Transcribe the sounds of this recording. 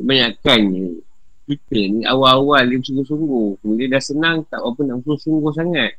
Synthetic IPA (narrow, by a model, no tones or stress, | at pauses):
maɲakani | pit̪ənia̰waawaliəmsuŋɡusuŋɡuhkəmilidasənaŋt̪aʔwapənamsuusuŋɡuhs̬aŋat̪̚